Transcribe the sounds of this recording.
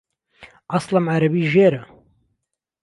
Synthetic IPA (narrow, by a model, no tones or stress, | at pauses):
ʔɑsˤlɐmʕaɾɐbiːʒeːɾɐ